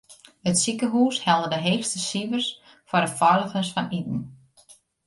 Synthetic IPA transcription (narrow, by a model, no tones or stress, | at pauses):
hətsikəɦuːshɛlˠdədəɦeːxstəsivərs | fɔrdəfɔɹləɣəsfɔnit̚n̩